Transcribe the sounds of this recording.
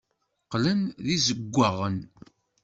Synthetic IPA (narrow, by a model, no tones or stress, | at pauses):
qlænðizəɡʷːaʁən